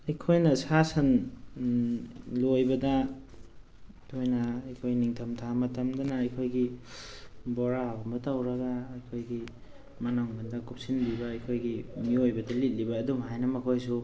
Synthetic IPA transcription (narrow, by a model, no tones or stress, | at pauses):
ɐjkʰojnɐsasɐn | lojbɐdɐ | kʰojnɐɐjkʰojniŋtʰɐmtʰamɐtɐmdɐnaɐjkʰojɡi | bɔɾabɐmbɐtawɾɐɡaːjkʰojɡi | mɐnaŋbandɐkup̚sinbibɐːjkʰojɡimiojbɐdɐlit̚libɐːdumajnɐmɐkʰojs̬u